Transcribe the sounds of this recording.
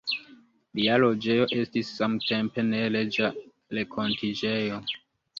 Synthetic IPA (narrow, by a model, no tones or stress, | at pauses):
lialod͡ʒe̞jo̞ʔe̞stisːamte̞mpe̞ne̞led͡ʒa | lekʰo̞ntʰid͡ʒejo